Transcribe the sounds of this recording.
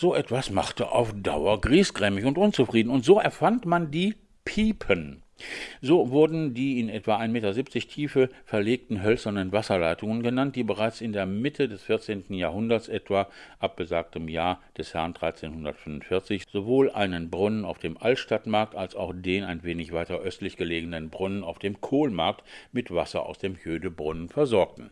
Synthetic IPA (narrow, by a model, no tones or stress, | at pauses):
z̥oːʔɛtv̥asma̰χtəʔa̰ʊfd̥a̰ʊɐɡʁiːsɡ̥ʁɛːmɪçʊntʔʊnt͡sufʁ̥iːdn̩ʊntz̥oːʔɛɐfantmandiː | pʰiːpʰən | zoːvʊɐdn̩diːɪnʔɛtv̥aʔaɪnmeːtɐzip̚t͡sɪçtʰiːfəfɛɐleːk̚tn̩ɦœlsɐnənvasɐlaɪtʊŋənɡənant̚d̥iːbəʁaɪt͡sɪndeːɐmɪtʰədɛsfɪɐt͡seːntn̩jaːɦʊndɐtsʔɛtv̥aʔap̚ɡ̥əzaːk̚təmjaːɐd̥ɛshɛɐndʁaɪt͡seːnhʊndɐtfʏmʊntfɪɐt͡sɪçz̥ovoːlʔa̰ɪnənbʁʊnənaʊfd̥eːmʔaltʃtatmaɐk̚talsaʊxd̥eːnaɪnveːnɪçv̥aɪtɐʔœstlɪçɡ̥əleːɡənənbʁʊnənaʊfd̥eːmkʰoːlmaɐk̚tmɪtv̥asɐ̰a̰ʊsd̥eːmhøːdəbʁʊnənfɛɐzɔɐk̚tn̩